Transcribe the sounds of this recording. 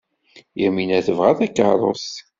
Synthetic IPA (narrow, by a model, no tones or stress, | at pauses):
iminæθəvʁæðækːəɾˤo̰s